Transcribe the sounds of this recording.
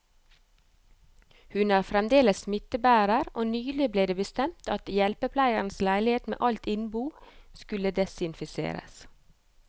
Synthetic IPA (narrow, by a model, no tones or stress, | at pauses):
hʉnæːɾfɾɛmd̪eːləsmɪt̪əbæːɾəɾʔoːnyːlɪbleːd̪eːbəst̪ɛmt̪ɑt̪jɛlpəpʰlæɪən̩slæɪlɪheːt̪mḛːʔɑlt̪ɪnbuːskʉləd̪ɛsɪnfɪsḛːɾə̰s